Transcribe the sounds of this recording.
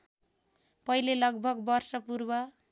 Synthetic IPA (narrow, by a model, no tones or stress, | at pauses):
pʌilelʌɡ̚bʱʌɡbʌrsʌpurbʌ